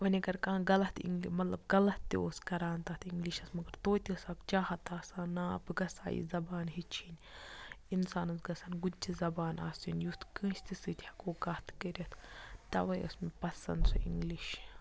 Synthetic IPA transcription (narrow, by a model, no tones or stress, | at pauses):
ʋɐnʲɐɡɐɾkãːɡɐlɐt̪ḭŋɡlimɐt̪lɐbɡɐlɐt̪ːioːskɐɾaːnt̪aːt̪ʰiŋɡliʃɐsmɐɡɐɾt̪oːt̪ʲisaːkt͡ʃaːhɐt̪aːsaːnaːɐ̰bɡɐsa̰ːjḭzɐbaːnɦit͡ʃʰinʲ | insaːnɐsɡɐsaːnɡud͡ʒizɐbaːna̰ːsinjut̪ʰkɨ̃ːʃt̪isɨt̪ʰʲhɐ̥koːɡat̪ʰkɐɾʲɐt̪ʰt̪ɐ̰ʋɐjɐ̰smepɐsɐ̰nd̪sṵʔḭŋɡliʃ